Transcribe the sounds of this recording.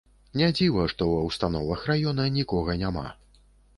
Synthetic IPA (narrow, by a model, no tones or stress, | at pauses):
nʲad͡zʲivɐʂt̪ɔwɐwst̪an̪ɔvɐxrajɔnɐxnʲikɔɣɐnʲama̰